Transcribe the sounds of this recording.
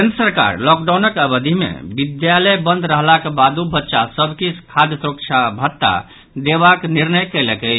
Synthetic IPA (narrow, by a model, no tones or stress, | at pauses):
kenəsəɾka̰ɾlɔk̚ɖanəkəbəd̪ʱimḛbid̪jalɛjbənd̪ʱɾəɦlakebad̪ʱubətːʃasəbʱkikʰad̪jəsuɾək̚t͡ʃʰabʱət̪ːa̰ | d̪eβakniɾnəjkɛlekəj